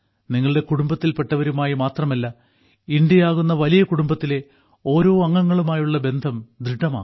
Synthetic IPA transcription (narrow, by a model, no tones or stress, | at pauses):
niŋːɐɭɨɽe̞kuɽumbɐt̪ːilpe̞ʈːɐʋɐɾumaːjimaːt̪rɐmɐlːɐ | indjɐjaːɣunːɐʋɐlijɐkuɽumbɐt̪ːile̞ | o̞ːɾo̞ːɐŋːɐŋːɐɭumaːjuɭːɐbe̞nd̪ʱɐmd̪ɾiɖːɐma̰ː